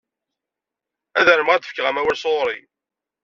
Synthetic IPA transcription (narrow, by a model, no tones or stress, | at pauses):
æðəɾəmʁæd̪əfkʁæmæwælsoɾˤḭ